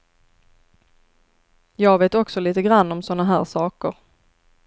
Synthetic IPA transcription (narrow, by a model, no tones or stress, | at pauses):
jɑːɡveːt̪ɔksɔliːt̪əɡɾanːɔmsɔnːaɦæːɾʂɑːkəɾ